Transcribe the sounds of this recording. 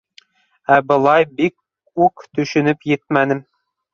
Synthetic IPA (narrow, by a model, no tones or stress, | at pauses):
æbɤ̆lˠɑjbik̚ | ʉkt̪ɵ̆ʃɵ̆nɘpjɘt̪̚mænɘm